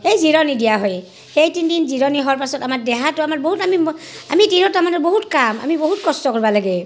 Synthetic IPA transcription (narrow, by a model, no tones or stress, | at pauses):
ejziɹɔnidijaɦɔj | xejtindinziɹɔniɦɔaɹpasɔtamaɹdɛɦatʊamaɹboɦutamima̰mitinɔtamanɔboɦutkama̰miboɦutkɔstɔkɔɹbalaɡe